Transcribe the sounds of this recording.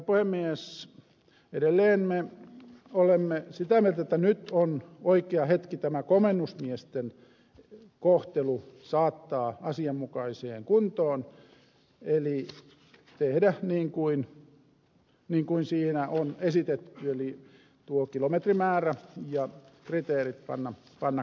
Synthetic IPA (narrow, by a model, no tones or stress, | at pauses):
puhemːies | edelːeːnme | olemːesit̪æmielt̪æet̪ːænyt̪onoikeɑhet̪kit̪æmækomenːusmiest̪en | koht̪elusɑːt̪ːɑːɑsiɑmːukɑisḛːŋkunt̪oːn | eli | t̪ehdæniːŋkuin | niːŋkuinsiːnæʔonesit̪et̪ːyeli | t̪uokilomet̪rimæːræjɑkrit̪eːrit̪̚pɑ̰nːɑ | pɑnːɑ